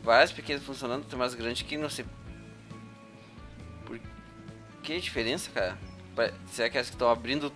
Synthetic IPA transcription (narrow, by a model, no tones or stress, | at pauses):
vajspekẽnʊfũsiõnɐ̃nd̪ʊt̪ɛ̃majzɡɾɐ̃d͡ʒɪkɪnɐ̃w̃sej | po̰ɾ | kɪɛd͡ʒifeɾẽsɐ̥kaɾɐ̰ | pasɪɛakɛlɐskɪ̥t̪ɐ̃w̃abɾĩnd̪ʊ